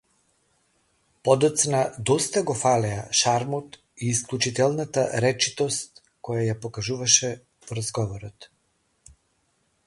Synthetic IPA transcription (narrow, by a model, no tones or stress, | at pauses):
pɔd̪ɔt̪snad̪ɔst̪aɡɔfalɛaʃaɾmɔt̪ | iːsklʲˠut͡ʃit̪ɛlˠnat̪aɾɛt͡ʃit̪ɔst̪ | kɔjajapɔkaʒuvaʃɛ | pɔɾazɡɔvɔɾɔt̪